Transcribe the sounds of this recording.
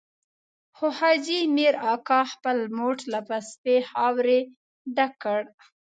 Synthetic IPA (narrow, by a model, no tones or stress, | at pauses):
xʊhɑd͡ʒimiɾɑkɑxpəlmoʈlapaspehɑwɾe | ɖakːəɽ